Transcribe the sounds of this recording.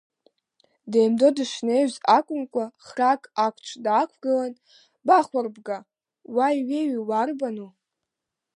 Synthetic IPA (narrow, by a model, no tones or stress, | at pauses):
de̞jmdo̞dɨʂnejɥzakʷʼʊmkʷʼaχrakʼakʷʰt͡ʃʷʰdakʷʰɡɨlan | baχʷarbɡa | wajɥeɥiwarbanu